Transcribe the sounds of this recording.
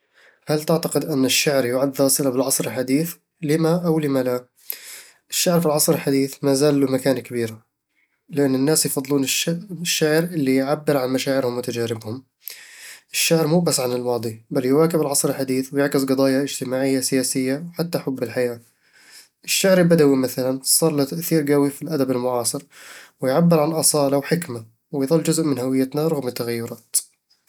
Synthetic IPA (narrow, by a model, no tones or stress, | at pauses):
halt̪ɪʕt̪aqɪd̪ʔɪnːɪʃːaʕɾjʊʕad̪ðɑːsˤɪlabɪlʕɑsˤɾɪlħad̪iːθ | lɪmaʔawlɪmala | ʔɪʃːaʕɾfilʕɑsˤɾɪlħad̪iːθmaːzaːlːumakaːnkabiːɾa | lɪʔanːɪnːaːsjfɑd̪ˤːluːnɪʃːaʕɾʔɪlːijʕabːɪɾʕanmaʃaːʕɪɾhʊmwɪt̪ad͡ʒaːɾɪbhʊm | ʔɪʃːaʕɾmuːbasʕanɪlwɑːd̪ˤibalːjwaːkɪbɪlʕɑsˤɾɪlħad̪iːθwɪjɪʕkɪzɡɑd̪ˤɑːjaʔɪd͡ʒt̪ɪmaːʕɪjːasɪjaːsɪjːawħat̪ːaħʊbːɪlħajaː | ʔɪʃːaʕɾɪbad̪awimaθalansˤɑːɾˤlat̪aʔθiːɾɡawifilʔad̪abɪlmʊʕɑːsˤɨɾwɪjʕabːɪɾʕalʔɑsˤɑːlɑwħɪkma | wɪjðˤɨlːd͡ʒʊzʔmɪnhawɪjːat̪naɾˤɑɣmɪt̪ːaɣajːʊɾˤɑːt̪